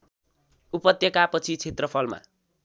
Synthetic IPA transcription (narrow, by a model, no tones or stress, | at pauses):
upʌt̪jʌkapʌt͡sʰit͡sʰet̪rʌpʰʌlma̰